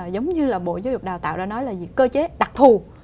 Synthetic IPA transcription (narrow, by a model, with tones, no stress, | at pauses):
zə˨˦wŋ͡mɲɨ˧laː˨˩ɓo̰˧˨zaː˨˦wzʊ˨˩k͡p̚ɗaː˨˩t̪a̰ː˧˨wɗa̰˧˥nɔ˨˦jlaː˨˩zḭ˨kəː˧t͡ɕe˨˦ɗa˨˩k̚t̪ʰu˨˩